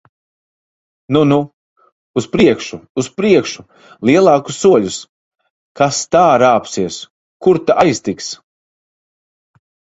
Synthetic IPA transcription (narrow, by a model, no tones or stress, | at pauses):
nunu | uspɾiɛkʃuːspɾiɛkʃu | liɛlˠɑːku̥sːuɔʎʲus | kast̪aːɾaːpsiɛs | kuɾt̪aʔajst̪iks